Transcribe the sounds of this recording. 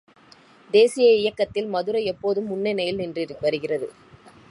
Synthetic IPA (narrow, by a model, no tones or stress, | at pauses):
d̪eːsɪjɐɪjɐkːɐt̪ːɪlmɐðɯɾɐɪɛpːoːðɯmːʊnːɛnɐjɪlnɪndrɪɾʋɐɾɯɣɪrɐðɯ̰